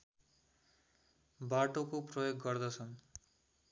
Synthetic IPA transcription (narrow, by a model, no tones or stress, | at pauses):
baʈokoprʌjoɡːʌrd̪ʌt͡sʰʌn